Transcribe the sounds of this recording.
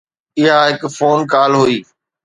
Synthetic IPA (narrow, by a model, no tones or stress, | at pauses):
ɪɦaɦɪkfoːnkaːlɦuiː